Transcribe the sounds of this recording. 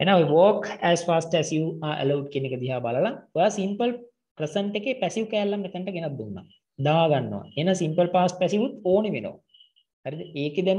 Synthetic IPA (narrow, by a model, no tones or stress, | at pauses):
enaoeʋoːkæːspaːsʈæsiuaːʔḛlɐwɖkijenekəd̪iɦaːbaləlaojaːsimpəl | prəsəɳʈekepæsiukɛːlːɐmnɛt̪ənʈəɡenɐt̪̚d̪unːa̰ | d̪aːɡanːoʋa̰enasimpəlpaːsʈ̚pæsiʋut̪oːneʋeno̰ʋa̰ | haɾid̪eːked̪em